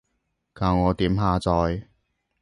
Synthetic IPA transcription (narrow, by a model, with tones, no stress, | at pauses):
kaː˨˧wŋɔː˨˧t̪iː˨˥mɦaː˧t͡sɔː˧j